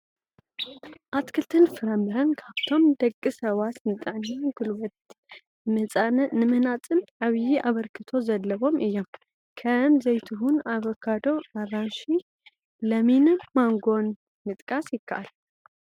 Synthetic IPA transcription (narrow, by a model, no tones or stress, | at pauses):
ʔat̪kʰɨlt̪ʰɨnfɨɾɐmbɨɾɐnkʰaβt̪ʰo̞md̪ɐkʼːɨsɐβat̪nɨt̪ʼɨʕnɡulwɐt̪ | ɨnɨmɨhnat͡sʼɨnʕaβjiʔaβɐɾkʰɨt̪ʰo̞zɐlːɐβo̞mʔɨjːom | kʰɐmzɐjt̪ʰuɦunaβokʰːad̪o̞ʔaɾanʃi | lɐminmaŋɡo̞n | mɨt̪ʼkʼasjɪkʰːɐʔalː